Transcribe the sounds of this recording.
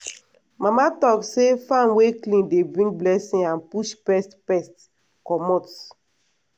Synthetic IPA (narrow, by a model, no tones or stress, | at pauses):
mãmatɔksefãnweklĩndebɹĩŋblɛsĩãnpuʃpɛstpɛst | kɔmɔt